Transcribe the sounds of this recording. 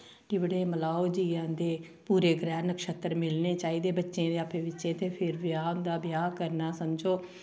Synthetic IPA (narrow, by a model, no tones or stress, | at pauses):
ʈɪbəɽeːməlaːoːd͡ʒiːãːd̪eː | puːɾeːɡɾɛːnəkʃət̪əɾmɪlneːt͡ʃaːiːd̪eːbətːʃẽːd̪eaːpʰeːʋɪtːʃẽːt̪eːpʰɪɾʋɪjaːʊnd̪aːbɪjaːkəɾnaːsəmd͡ʒoː